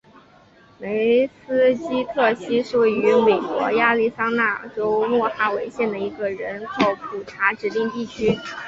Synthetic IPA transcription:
me˧˥ɪsɹ̩˥t͡ɕi˥t̪ʰɤ˥˩ɕi˥ʂ̩u˧˨˥y˧˥me˨˩ɪkwɔ̰˧˥ja˥˧li˥˩sa˥ŋna˥˩ʈ͡ʂo˥ʊnwɔ˥˩xa˥we˧˥ɪɕjɛ˥˩nd̪ə˩i˧˥ɡə˧ɻə˧˥nkʰo˧˩˥ʊpʰu˨˩ʈ͡ʂʰa˧˥ʈ͡ʂɻ̩˧˥t̪i˥˧ŋt̪i˥˩t͡ɕʰy˥

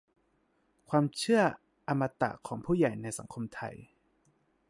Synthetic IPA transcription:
kʰwaː˧mt͡ɕʰɯ˥˩ɐ | ʔa˧mːa˧t̪a̰˨˩kʰɔː˩˦ŋpʰuː˥˩ja˨˩jna˧jsa̰˩˦ŋkʰo˧mt̪ʰa̰˧˩j

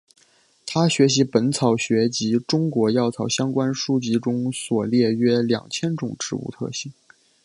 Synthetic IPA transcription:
t̪ʰa˥ɕɥɛ˧˥ɕ̬i˧˥pə˧˥nt͡sʰɑ˨˩ʊɕɥɛ˧˥t͡ɕi˧˥ʈ͡ʂʊ˥ŋkwɔ˧˥jɑ˥˩ʊt͡sʰɑ˨˩ʊɕjɑ˥ŋkwa˥nʂu˥t͡ɕi˧˥ʈ͡ʂʊ˥ŋswɔ˨˩ljɛ˥˧ɥɛ˥ljɑ̰˨˩ŋt͡ɕʰjɛ˥nʈ͡ʂʊ˨˩ŋʈ͡ʂɻ̩˧˥ṵ˥˧t̪ʰɤ̰˥˧ɕi˥˩ŋ

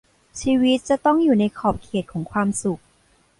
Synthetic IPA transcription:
t͡ɕʰiː˧wi˦˥t̪̚t͡ɕa˨˩t̪ɔ˥˩ŋjuː˨˩na˧jkʰɔː˨˩p̚kʰeː˨˩t̪̚kʰɔː˩˦ŋkʰwaː˧msu˨˩k̚

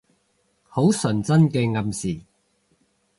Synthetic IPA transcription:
ho˨˥wsɵ˨˩nt͡sɐ˥nkɛː˧ŋɐ˨msiː˨˩

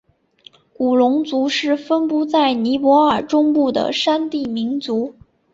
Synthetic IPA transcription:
ku˨˩lʊ˧˥ŋt͡su˧˥ʂɻ̩˥˩fə˥npu˥t͡sa˥˩ɪni˧˥pwɔ˧˥ə˞˨˩ʈ͡ʂʊ˥ŋpu˥˩d̪ə̰˩ʂa˥nt̪i˥˩mi˧˥nt͡su˧˥

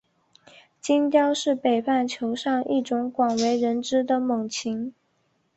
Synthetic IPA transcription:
t͡ɕi˥nt͡ɕ̪jɑ˥ʊʂɻ̩˥˩pe˨˩ɪpa˥˩nt͡ɕʰjo˧˥ʊʂɑ˥˧ŋʔi˥˩ʈ͡ʂʊ˧˥ŋkwɑ˨˩ŋwe˧˥ɪɻə˧˥nʈ͡ʂɻ̩˥d̪ə˨mɤ˨˩ŋt͡ɕʰi˧˥ŋ

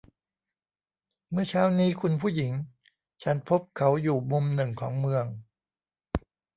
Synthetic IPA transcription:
mɯ˥˩ɐt͡ɕʰaː˦˥wniː˦˥kʰu˧npʰuː˥˩ji˩˦ŋ | t͡ɕʰa˦˥npʰo˦˥p̚kʰa˦˥wjuː˨˩mu˧mnɯ˨˩ŋkʰɔ̰ː˩˦ŋmɯ˧əŋ

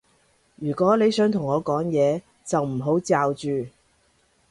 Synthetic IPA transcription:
jyː˨˩kʷɔː˨˥le˨˧jsœː˨˥ŋt̪ʰʊ˨˩ŋːɔː˨˧kɔː˨˥ŋjɛː˨˧ | t͡sɐ˨wm̩˨˩ɦo˨˥wt͡saː˨˧wt͡ʃyː˨

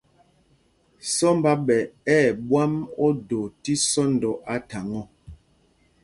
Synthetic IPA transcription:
sɔ˦mba˦ɓɛ˨ɛː˦˨ɓwa˦mɔ˦do˨ti˦sɔ˦n̩˨dɔ˨ʔa˦ta˨ŋɔ˦˨

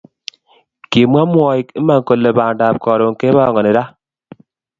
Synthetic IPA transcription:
ki˨mwa˦mwɔ˨i˨ke˦ma˦˨ŋ˨ko˨le˨baː˨nda˨p̚kɔ˨ɾo˨ŋ˨ke˦ba˦˨ŋɔ˨ni˨ɾa˦

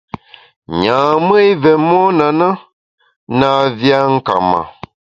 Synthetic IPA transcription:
ɲãː˨mə˦jvɛ˨mɔ˦na˨na˦ | na˦vja˦ŋ̩˦ka̰˨ma̰˨

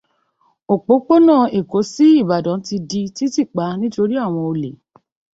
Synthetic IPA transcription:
o˨k͡po˨˦k͡po˦nãː˦˨e˨ko˨˦si˦i˦˨ba˨dɔ̃˨˦ti˧di˧ti˦ti˦˨k͡pa˨˦nĩ˦to˧ɾi˦a˦˨w̃ɔ̃˧o˧le˨

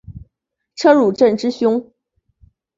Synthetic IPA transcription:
ʈ͡ʂʰɤ˥ɻu˨˩ʈ͡ʂə˥˩nʈ͡ʂɻ̩˥ɕjʊ˥ŋ

